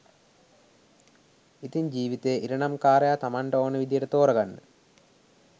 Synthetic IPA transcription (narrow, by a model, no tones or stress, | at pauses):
it̪iɲd͡ʒiːʋit̪ejʔiɾɐɳamkaːɾɐjat̪amaɳʈɐoːnəʋid̪ijəʈət̪oːɾɐɡanːə̰